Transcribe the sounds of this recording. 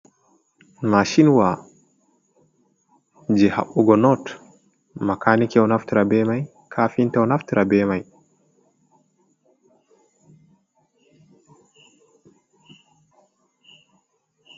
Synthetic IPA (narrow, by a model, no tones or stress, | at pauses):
maʃinwa | d͡ʒɛha̰ɓuɡɔnɔt | makʰanikɛwnaftiɾabɛmaj | kʰaːfintɛwnaftiɾʔabɛmaj